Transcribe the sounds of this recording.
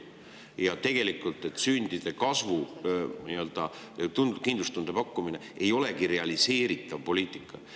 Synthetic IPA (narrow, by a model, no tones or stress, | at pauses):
jɑt̪e̞ɡ̥e̞likːˑult̪ˑe̞t̪ːˑsynd̪̥id̪̥e̞kɑsvuniø̞ld̪̥ɑ | t̪unkind̪lust̪und̪̥e̞pɑkːuminee̞jo̞le̞ɡiɾe̞ɑlise̞ːɾit̪ːˑɑvpo̞lʲiːt̪ˑikːˑɑ